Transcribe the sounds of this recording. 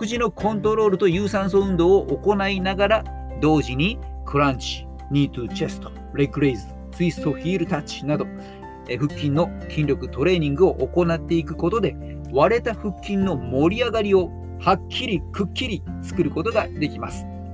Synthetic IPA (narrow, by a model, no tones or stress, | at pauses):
kɯ̟ʑino̞kʰõ̞nt̪o̞ɾo̞ːɾɯ̟t̪o̞jɯːsãɰ̃s̬oɯ̟̃nd̪o̞ːoʔoko̞nainaɡaɾa | d̪o̞ːʑiɲ̟i | kʰɯ̟ɾãɲt͡ɕi̥ | ɲ̟ʲiːt̪ɨt͡ɕe̞sɨ̥t̪o̥ | ɾekɯ̟ɾeizɨ̥ | t͡sɨist̪o̞çiːɾɯ̟t̪at͡ɕi̥nad̪o̞ | ɸɯ̟kʲːĩnːo̞ | kʲʰĩnʲɾʲo̞kɯ̟t̪o̞ɾe̞ːɲ̟ĩŋɡɯo̞ʔoko̞nat̪ːe̞ikɯ̟ko̞t̪o̞d̪e̞ | βaɾe̞t̪aɸɯ̟kʲːĩnːo̞mo̞ɾʲiaɡaɾʲio̞ | hakʲʰːiɾʲikɯ̟kʲːiɾʲit͡sɨ̥kɯ̟ɾɯ̟ko̞t̪o̞ɡad̪e̞kʲimasɨ̥